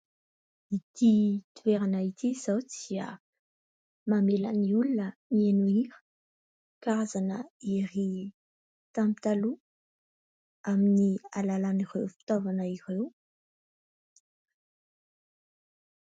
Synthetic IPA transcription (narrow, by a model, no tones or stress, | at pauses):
it̪it̪uveɾanait̪iz̥awt͡siə̰ | mamelə̰niulunənienuiɾə̥ | kaazanəiɾi | t̪amit̪alu | aminialalanirewfi̥t̪ovanəirew